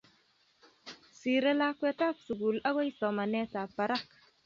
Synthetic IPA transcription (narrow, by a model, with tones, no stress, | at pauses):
si˨ɾe˦la˦kwɛ˦ta˦ksu˨ɡu˨la˦wa˦jsɔ˨ma˨nɛ˦ta˨pa˨ɾa˦k